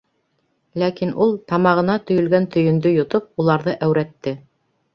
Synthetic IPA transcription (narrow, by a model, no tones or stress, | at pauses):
lækinʔulˠt̪ɑmɑʁɤ̆nɑt̪ɵ̆jɵ̆lɡænt̪ɵ̆jɵ̆nd̪ɵjŏt̪ɤp̚ulˠɑɾðɤʔæwɾæt̪ːɘ